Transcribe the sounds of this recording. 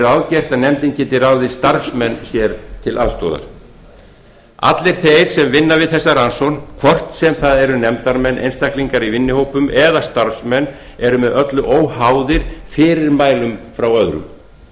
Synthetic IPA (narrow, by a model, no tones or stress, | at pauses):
ɾawðcɛr̥t̪aðnɛmt̪incɛːt̪ɪɾaːwðɪst̪aɾfsmɛnːçjɛɾt̪ʰɪlʔaðst̪ɔ̰ːða̰ɾ̥ | a̰t̪lɪɾ̥θejɾ̥sɛmvɪnːavɪðθɛsːaɾansɔnkʰvɔr̥t̪n̥sɛmθaðɛɾʏnɛmt̪aɾmɛnʔḛjnst̪ahkliŋkaɾivɪnːɪhowpʏmɛðast̪aɾsmɛnː | ɛɾʏmɛðʔœt̪lʏʔoːwɦaːwðɪɾ̥fɪːɾɪɾmaːjlʏmfɾawœðɾʏ̰m